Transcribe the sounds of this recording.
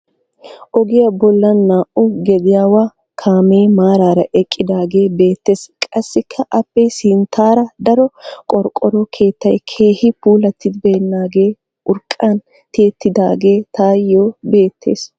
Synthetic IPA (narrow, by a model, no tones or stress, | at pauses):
ʔɔɡɪjɐbɔlːɐnːaːʔʊɡɛd̪ɪjaːwaː | kʰaːmeːmaːɾaːɾɐʔɛkʼːɪd̪aːɡe̞ːbe̞ːt̪ːe̞ːskʼɐsːɪkʰːɐʔɐpːɛsɪnt̪ʰaːɾɐd̪ɐɾɔkʼɔɾkʼɔɾɔkʰe̞ːt̪ːɐjkʰe̞ːhɪpuːlɐt̪ːɪd̪bɛnːaːɡe̞ː | ʊɾkʼːan | t̪e̞ːt̪ːɪd̪aːɡe̞ːt̪aːjːoːbe̞ːt̪ʰːe̞̰ːs